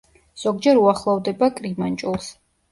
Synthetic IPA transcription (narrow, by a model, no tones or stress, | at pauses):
z̥ɔɡd͡ʒɛɾuaχlˠɔvd̪ɛbakʼɾimant͡ʃʼulˠs